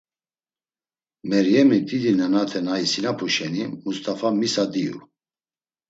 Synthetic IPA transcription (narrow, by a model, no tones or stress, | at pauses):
mɛɾjɛmid̪id̪inɛnat̪ʰɛnaisinapʰuʃɛnimust̪ʰʼafamisad̪iṵ